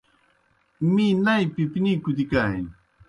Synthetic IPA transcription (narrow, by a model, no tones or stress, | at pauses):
minajpɪpnikʊt̪̬ɪkaj